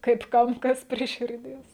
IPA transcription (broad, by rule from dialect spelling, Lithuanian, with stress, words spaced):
kɐɪp ˈkɐm ˈkɐs pʲrʲiɛ ʃʲɪrʲˈdʲiɛs